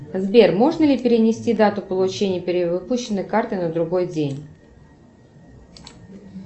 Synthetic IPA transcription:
zbʲe̞rmo̞ʐnəlʲɪpʲɪɾʲɪnʲɪsʲtʲid̪at̪ʊpəlˠʊt͡ɕenʲɪjəpʲɪɾʲɪvɨpuɕːɪnːɨjkart̪ɨnəd̪ɾʊɡo̞jdʲenʲ

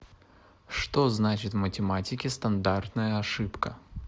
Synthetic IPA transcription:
ʂt̪o̞znat͡ɕɪt̪vmətʲɪmatʲɪkʲɪst̪ɐnd̪art̪nəjəɐʂɨpkə

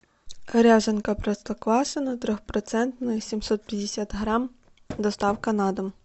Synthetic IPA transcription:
kɐɾʲaʒɐnkɐpɾɐst̪ɐklˠɑsɐnɐt̪ɾʲɔxpɾɔt̪sɛnt̪nɐsʲimsɔt̪̚pʲjɐd̪ʲesʲat̪ɦɾɑm | d̪ɔst̪ɑwkɐnɑd̪ɐm

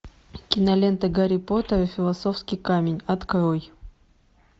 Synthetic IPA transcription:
kʲɪnɐlʲent̪əɡɐɾʲɪpot̪əɾfʲɪlˠɐsofskʲɪjkamʲɪnʲɐt̪kɾoj

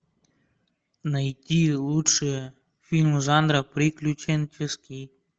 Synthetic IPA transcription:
nɐjtʲilˠutʂe | fʲilʲmzɑnd̪ɾɐpɾɪklʲut͡ʃenʲt͡ʃeskʲij

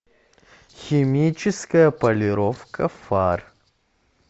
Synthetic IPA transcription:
xʲɪmʲit͡ɕɪskəjəpɐlʲɪɾofkəfar

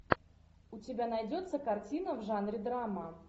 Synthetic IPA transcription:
ʊtʲɪbʲanɐjdʲo̞t̪sːəkɐrtʲinəvʐanɾʲɪd̪ɾamə

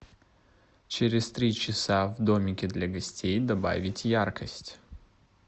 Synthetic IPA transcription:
t͡ʃeɾʲest̪ɾit͡ʃisavd̪omʲikʲed̪ʲlʲaɡəsʲt̪ʲejd̪aba̰vʲit̪ʲjarkəsʲt̪ʲ

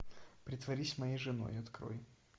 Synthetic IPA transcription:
pɾʲɪt̪vɐɾʲisʲmɐjejʐɨno̰jɪɐt̪kɾo̰j

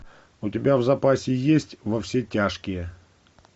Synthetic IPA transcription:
ʊtʲɪbʲavzɐpasʲɪjesʲtʲvɐfsʲetʲaʂkʲɪjə

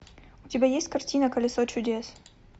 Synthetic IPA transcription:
ʊtʲɪbʲajesʲtʲkɐrtʲinəkəlʲɪsot͡ɕʊdʲes

